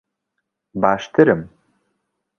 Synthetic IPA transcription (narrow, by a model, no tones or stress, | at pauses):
baːʃt̪ʰɨɾɨm